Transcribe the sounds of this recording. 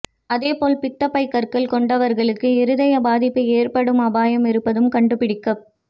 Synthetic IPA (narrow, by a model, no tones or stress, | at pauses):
ɐðeːpoːlpɪt̪ːɐpːɐɪkːɐɾkɐɭkɔɳɖɐʋɐɾɣɐɭɯkːɯɪɾɯðɐjɐbaːðɪpːɯeːrpɐɽɯmɐbaːjɐmɪɾɯpːɐðɯmkɐɳɖɯpɪɽɪkːɐp